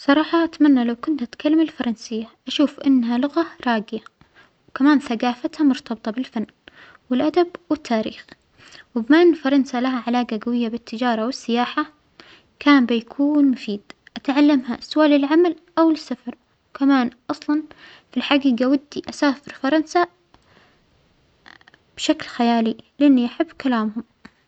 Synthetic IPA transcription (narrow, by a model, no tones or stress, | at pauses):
sˤɑɾˤɑːħɑʔat̪manːalawkʊnt̪ʔat̪kalːamɪlfɑɾˤɑnsɪjːaʔaʃuːfʔɪnːɦalʊɣaɾˤɑːɡɪja | wkamaːnθaɡaːfat̪hamʊɾt̪ɑbɨt̪ˤɑbɪlfanː | wɪlʔad̪abwɪt̪ʰːaːɾḭːx | wɪbmaʔɪnːfɑɾˤɑnsalaɦaʕalaːɡaɡawɪjːabɪt̪ːɪd͡ʒɑːɾˤɑwɪsːɪjaːħa | kʰaːnbɪjakʰuːnmʊfiːd̪̥ʔat̪ʕalːamɦasʊwaːlɪlʕamal | ʔawsːafɑɾˤ | wkamaːnʔɑsˤlɑn | filħaɡiːɡawad̪ːiʔasaːfɪɾfɑɾˤɑnsa | b̥ʃaklxajaːlilɪʔanːiʔaħabːkalaːmhʊm